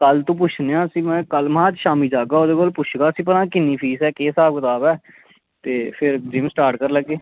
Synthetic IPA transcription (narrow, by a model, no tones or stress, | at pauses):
kəlt̪õːp̬ʊt͡ʃʰneːãːəsĩːmɛ̃ːkəlmãːt͡ʃʃaːmiːd͡ʒaːɡaːoːd̪eːkoːlpʊt͡ʃʰɡaːəsĩːp̬ənãːkɪnːiːpʰiːsɛːkeːsaːb̚kət̪aːbɛː | t̪eːpʰɪɾd͡ʒɪmsʈaːɾʈkəɾləɡːeː